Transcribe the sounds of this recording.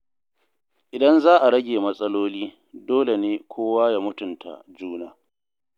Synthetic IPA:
ʔɪ˨dɐ˦nzaː˦ʔa˨ɾɐ˦ɡʲeː˨mɐ˦sʼɐ˦loː˦liː˦ | doː˦le˨neː˦kʷʰoː˦waː˦ja˦mʊ˦tʊ˨ntʰa̰˨d͡ʒuː˦naː˦

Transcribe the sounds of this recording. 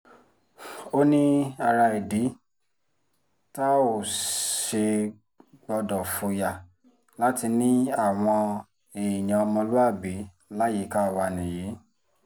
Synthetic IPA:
o˦nĩ˦a˧ɾa˧e˨di˨˦ | ta˦o˨ʃe˧ | ɡ͡bɔ˧dɔ˨fo˧ja˨ | la˨˦ti˧nĩ˦a˦˨w̃ɔ̃˧ | e˨j̃ã˨ɔ˧mɔ̃˧lu˦a˦˨bi˨˦ | la˦je˨˦˨ka˦˧wa˧˨nĩ˨ji˨˦

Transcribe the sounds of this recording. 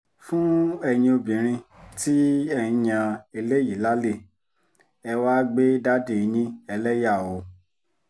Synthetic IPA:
fũ˦ɛ˧ɲ̃ĩ˧o˧bĩ˨ɾ̃ĩ˧ti˦ɛ˦˨ĩ˧ɲã˧e˧le˦ji˨la˦le˦˨ | ɛ˧wa˦ɡ͡be˦da˦de˦˨˧ɲĩ˦ɛ˧lɛ˦ja˦˨o˨˦

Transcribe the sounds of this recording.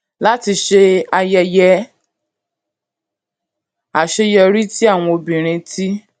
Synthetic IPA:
la˦ti˧ʃe˧a˧jɛ˧jɛ˧ | a˨ʃe˧jɔ˧ɾi˦ti˦a˦˨w̃ɔ̃˧o˧bĩ˨ɾ̃ĩ˧tʰi˦

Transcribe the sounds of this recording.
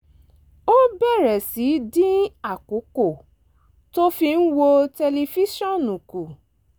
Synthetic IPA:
o˦bɛ˦˨ɾɛ˨si˨˦dĩ˦a˦˨ko˨˦ko˦˨ | to˦fi˧n̩˦wo˧tɛ˧le˧fi˦ʃɔ̃˦˨nũ˨ku˨

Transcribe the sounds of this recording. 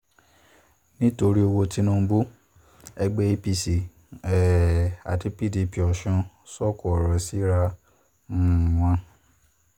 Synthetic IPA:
nĩ˦to˧ɾi˦o˧wo˧ti˦nũ˦bu˦ | ɛ˧ɡ͡bɛ˦e˦pi˧si˨ | ɛ˨a̰˨ti˧˦pi˦˨di˨pi˨ɔ˨ʃɔ̃˧˦ | sɔ˦˨ku˨ɔ˨ɾɔ˨si˦ɾã˧˦˨ | w̃ã˧

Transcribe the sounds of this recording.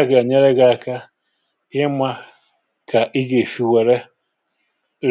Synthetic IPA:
ɡa˨ɲe˦ɾe˦ɡa˨a˨ka˦ | ɪ˦ma˦ | ka˨ʔɪ˦ɡe˨fi˨we˨ɾe˦ | ɾ

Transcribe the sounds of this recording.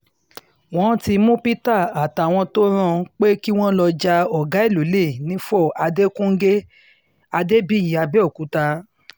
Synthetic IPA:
w̃ɔ̃˦ti˧mũ˦pi˦ta˦˨a˨ta˨w̃ɔ̃˧to˦ɾ̃ã˧˨k͡pe˦ki˦w̃ɔ̃˦lɔ˧d͡ʒa˧ɔ˨ɡa˨˦i˦˨lu˨˦le˦˨nĩ˨˦fɔ˦˨ʔa˧de˦kũ˦ŋ̩˦ɡe˦ | a˧de˦bi˦˨ji˨˦˨a˧bɛ˦o˦˨ku˨˦ta˧

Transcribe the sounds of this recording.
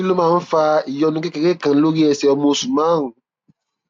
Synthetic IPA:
i˦lo˦mãː˦˨˦fa˧i˨jɔ˧nũ˧ke˦ke˨ɾe˦kã˨˦lo˦ɾi˦ɛ˧sɛ˧˦ɔ˧mo˧sũ˨mã˦ɦũ˨

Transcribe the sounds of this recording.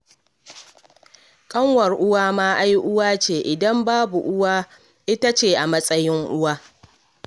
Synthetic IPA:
kʼɐ˦ŋwɐ˨rʔʊ˦waː˦maː˦ʔa˦jʔʊ˦waː˦t͡ʃeː˨ʔɪ˨dɐ˦mbaː˦bu˨ʔʊ˦waː˦ | ʔɪ˦ta˦t͡ʃeː˨ʔa˨mɐ˦sʼɐ˦jɪ˦ŋʔʊ˦waː˦

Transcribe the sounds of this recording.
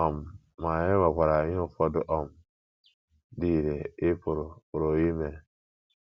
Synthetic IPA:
ɔ˨mː˨ | a˨je˦wa˨kʷa˨ɾa˨˦jo˦fɔ˦du˦ʔɔ˨m˨ | di˦˨ɾe˨i˦pu˨ɾo˨pu˨ɾo˨ji˦me˨

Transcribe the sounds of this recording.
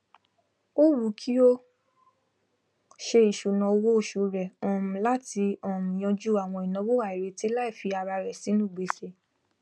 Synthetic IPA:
o˦wu˨˦kʰi˦o˦ | ʃe˧i˨ʃu˨nã˧wo˦o˦˨ʃu˧ɾɛ˨ɔ̃˨mũ˨la˦ti˧ɔ̃˦˨mĩ˨j̃ã˧d͡ʒu˦a˨w̃ɔ̃˧i˨nã˨˦wo˦wa˨i˨ɾe˨˧ti˦la˦i˦˨fi˧a˧ɾa˧ɾɛ˨si˨˦nũ˦˨ɡ͡be˨˦ʃe˧˨

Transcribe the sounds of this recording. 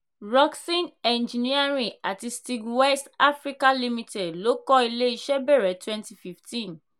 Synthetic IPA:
ɾɔ˦ksĩ˦nɛ̃˨nd͡ʒi˨ni˦a˦ɾĩ˨a˨ti˧sti˧kwɛ˦sta˦fɾi˦ka˦li˦mĩ˧te˨dlo˨˦kɔ˦i˧le˦i˧ʃɛ˦bɛ˦˨ɾɛ˨twɛ̃˦nti˧fi˦ftʰĩ˦n

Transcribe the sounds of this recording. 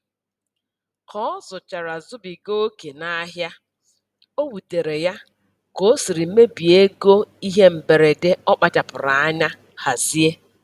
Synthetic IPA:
kɔ˦zʊ˨t͡ʃa˨ɾa˨zʊ˦bi˨ɡo˦ke˨na˦ɦja˦ | o˦wu˨te˨ɾe˨ja˦ | ko˨˦si˨ɾi˨m̩˦me˦bi˨e˦ɡo˦i˦ɦe˦m̩˨be˨ɾe˨de˦ɔ˦k͡pa˨ta˨pʊ˨ɾa˨a˦ɲa˦ | ha˨zi˦e˦

